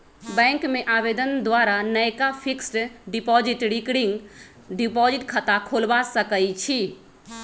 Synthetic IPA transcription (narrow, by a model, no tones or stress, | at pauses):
bɛ̃ŋkmeʔabed̪ənd̪waɾanəjkapʰiksʈɖipɔd͡ʒiʈɽikɽiŋɡ | ɖipɔd͡ʒiʈkʰət̪akʰolbasəkəjt͡ʃʰi